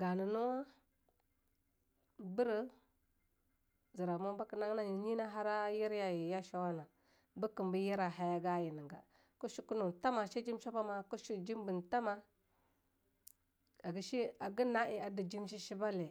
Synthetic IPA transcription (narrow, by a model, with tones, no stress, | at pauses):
ɡa˨nə˨nu˦wa˦ | bə˦ɾə˦ | zi˨ɾa˨mo˦ba˦ki˨na˦ŋ˦na˨i˨ɲi˦na˦ɦa˦ɾa˦ji˦ɾja˨ji˨ja˦ʃa˦wa˦na˨ | bə˦ki˨mbi˦ji˦ɾa˨ɦa˨ja˦ɡa˦ji˨ni˨ŋɡa̰˨ | ku˦ʃi˦ku˦nu˨n˨ta˦ma˨ʃi˦d͡ʒi˦m˦ʃa˦ba˦ma˨ku˦ʃi˦d͡ʒi˦m˦bə˨n˨ta˦ma˦ | a˨ɡi˦ʃi˦a˨ɡi˦na˦ʔi˨a˨di˨d͡ʒi˦m˦ʃi˦ʃi˦ba˦le˨